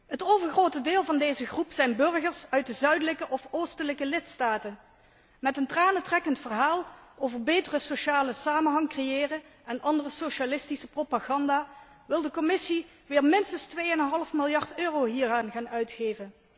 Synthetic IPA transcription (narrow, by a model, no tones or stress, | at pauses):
ətowvəɹχrowtədɪːlˠvɑndejzəχrupsɛjnbɵrɣəɹsœɥt̚dəzœɥdələkəʔɔfoːstələkəlɪtstaːtən | mɛtəntraːnətrɛkəntfərɦaːlˠoːvəɹbejtərəsoʃaːləsaːmənɦɑŋkrejɪːrəɛnɑndərəsoʃalɪstisəpropaɣɑndaː | ʋɪlˠdəkɔmɪsi | ʋɪːɹmɪnstənstʋejənənɦɑlˠəfmɪlˠjɑɹtøːrowɦiːɹaːnχaːnœɥtxeːvən